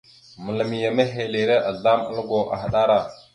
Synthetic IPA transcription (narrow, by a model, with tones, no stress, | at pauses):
mə˨lə˨mi˨ja˨me˦ɦe˨le˨ɾe˦ʔa˨ɮa˦mə̰˦lɡo˨ʔa̰˨xɗa˦ɾa˦˨